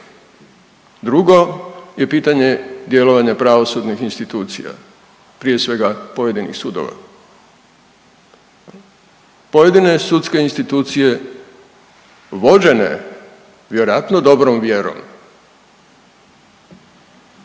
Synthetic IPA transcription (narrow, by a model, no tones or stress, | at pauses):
d̪ɾuɡo̞je̞piːt̪aɲe̞d̪je̞lo̞ʋaɲapɾaʋo̞sud̪nixinst̪it̪uːt̪sḭja̰ | pɾije̞sʋe̞ɡapo̞je̞d̪inḭxsud̪o̞̰ʋa̰ | po̞je̞d̪ine̞sut̪ske̞inst̪it̪uːt̪sije̞ | ʋo̞d͡ʑe̞ne̞̰ | ʋje̞ɾojat̪nod̪o̞bɾomʋje̞ɾo̰m